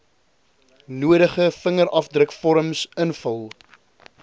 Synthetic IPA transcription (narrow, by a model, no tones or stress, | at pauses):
nuəɾəχəfəŋəɾɐfdrəkfɔɾəmsənfəlˠ